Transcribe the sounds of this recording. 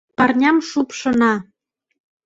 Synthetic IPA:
pɑrnʲɑmʃupʃɤ̆nɑ

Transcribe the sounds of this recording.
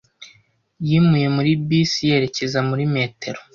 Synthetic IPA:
jimuje̞muɾibisije̞ɾe̞ce̞zamuɾime̞ːte̞ɾo

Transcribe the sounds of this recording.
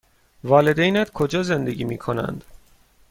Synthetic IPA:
vɒːle̞d̪ejnæt̪kʰod͡ʒɒːze̞nd̪e̞ɡʲiːmiːkʰo̞næ̰nd̪̥

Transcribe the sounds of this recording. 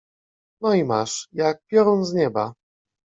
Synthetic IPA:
nɔimaʂjak̚pʲjɔɾɔnzɲɛba

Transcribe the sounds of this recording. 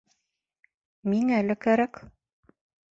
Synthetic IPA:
miŋælɘkæɾæk

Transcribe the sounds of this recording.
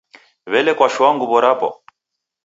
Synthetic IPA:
βɛlɛkwaʃwaŋɡuβɔɾapɔ̰

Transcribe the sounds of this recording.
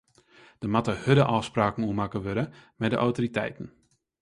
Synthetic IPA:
d̥əmatəhødəʔɔfspraːkn̩uəmakəʋøɾəmɛdə̰ʔawtoɾitɛ̰jtən̩

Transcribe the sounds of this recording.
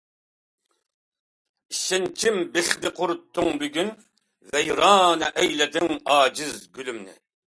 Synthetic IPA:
iʃɪnt͡ʃʰimbɪχd̪ɪqʰʊɾut̪ʰːʊŋbyɡʲyn | vɛjɾɑːnɛʔɛjlɛd̪ɪŋɑːd͡ʒɪzɡʲylymnɪ̰

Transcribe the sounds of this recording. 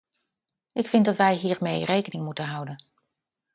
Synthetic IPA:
ʔɪkfɪntdɑtʋɛjɦiːɹmejrejkənɪŋmutənɦʌwdən

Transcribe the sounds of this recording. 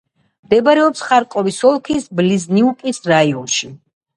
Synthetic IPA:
md̪ɛbaɾɛɔpsχaɾkʼɔvisɔlˠkʰisblizniukʼisɾaiɔnʃi

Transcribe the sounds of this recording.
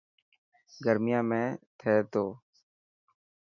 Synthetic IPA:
ɡəɾmɪjãːmẽːt̪ʰɛːt̪oː

